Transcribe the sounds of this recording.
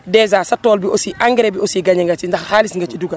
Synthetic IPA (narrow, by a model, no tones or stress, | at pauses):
dɛːzaːsɐtːɔːlbiʔosiʔaŋɡɾebiosiɡɐɲɛŋɡɐt͡ʃindɐxhaːlisŋɡɐt͡ʃiduɡɐ